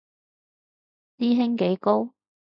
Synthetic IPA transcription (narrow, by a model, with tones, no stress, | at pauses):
siː˥ɦɪ˥ŋke˨˥jko˥w